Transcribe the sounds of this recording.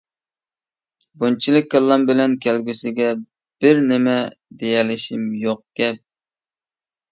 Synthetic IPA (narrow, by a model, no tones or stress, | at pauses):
bunt͡ʃʰilˠɨk̚ʲːəlˠːɑmbɪlɛnkʲʰælɡʲysɪɡʲɛ | b̥ɪɾnɪmɛd̪ejɛlɪʃimjoq̚ɡʲɛp̚